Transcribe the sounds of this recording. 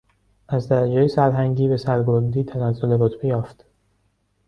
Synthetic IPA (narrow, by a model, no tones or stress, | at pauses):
ʔæzd̪æɾæd͡ʒeːjesæɾɦæŋɟiːbe̞sæɾɡoɾd̪iːt̪ʰænæzːoleɾot̪ʰb̥e̞jɒːft̪